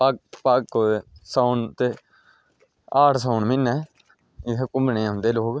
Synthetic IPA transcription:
pakpakːsaːnt̪eː | aːʈsaːʊnmɪnːɛː | ɪkʊmbnẽːɦʊ̃nd̪eːloːk

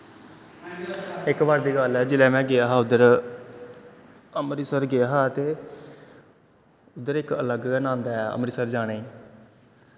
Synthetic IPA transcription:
ɪkbaːɾd̪iːɡaːlɛːd͡ʒɪlɛːmɛ̃ːɡɪaːɦaːʊd̪əɾ | əmɾiːsəɾɡɪaːɦaːt̪eː | ʊd̪ːəɾɪkələɡnãːnd̪aɛə̰mɾiːsəɾd͡ʒaːneːiː

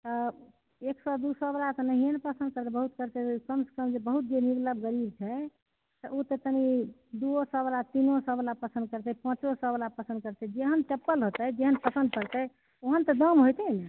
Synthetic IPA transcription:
t̪ɔ | eksad̪usəblat̪ɔnəɦijenepəsənd̪̚kəɾt̪ɛbəɦut̪kəɾt̪ɛkəmsə̥kəmd͡ʒebəɦut̪̚d͡ʒeniɡləbɡəɾib̚t͡ʃʰɛ | t̪əʔot̪et̪ənid̪uosəblat̪inosəbəlapəsə̃nd̪̚kəɾt̪ɛpə̃t͡ʃosəblapəsə̃nd̪̚kəɾt̪ɛd͡ʒeɦənʈepːəlɦot̪ɛd͡ʒeɦənpəsə̃nd̪̚pəɾt̪ɛ | oɦənt̪ɔd̪əmɦojt̪ɛne

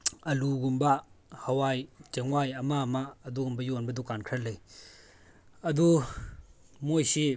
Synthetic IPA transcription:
ɐluɡumbahawajt͡ʃeŋwajɐmamaːduɡumbajɔnbɐdukankʰɾalej | ɐdu | mojsi

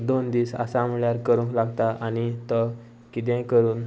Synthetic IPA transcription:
d̪ond̪iːsa̰sam̤əɭjaɾkəɾũŋklaɡt̪aʔanit̪ə | kit̪̬ɛ̃kəɾuːn

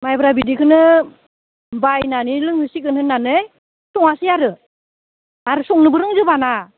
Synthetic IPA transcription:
majbɯɾabidikʰɯnɯ | bajnanilɯŋhɯsikɯnhɯnːanɯj | sɔŋasijaɾɯ | aɾɯsɔŋnɯbɯɾɯŋzɯbana

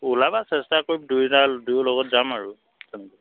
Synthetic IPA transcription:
ulabasɛstakoɹip̚dujtadujlɔɡɔtzamaɹu | tɛnɛka

